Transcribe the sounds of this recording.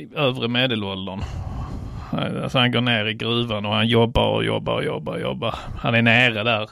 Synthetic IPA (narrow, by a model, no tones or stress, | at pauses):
øːvɾəmeːd̪ɛlɔld̪ən | ha̰na̰sɔhanɡoːɳeːɾɪɡɾʉːvanɔhanjɔbːa̰ɾɔ̰jɔ̰bːa̰ɾɔjɔ̰bːaɾɔjɔ̰bːaɾ | hanɛnæːɾad̪æːɾ